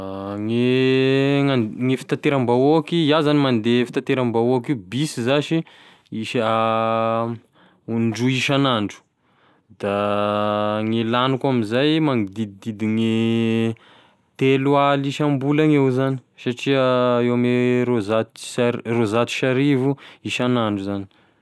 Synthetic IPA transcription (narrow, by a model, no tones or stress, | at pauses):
ŋe | aŋefi̥t̪at̪eɾambaokijazanimand̪efi̥t̪at̪eɾambaoakiubisizaʃi | iʃ | uɳɖ͡ʐuiʃanaɳɖ͡ʐu̥ | d̪a | ŋelanukamizajmaŋid̪id̪id̪id̪iŋe | t̪elaliʃambulaŋewzani̥saʈ͡ʂiaewameɾozat̪rozat̪i̥ʃaɾivuiʃanaɳɖ͡ʐuzani̥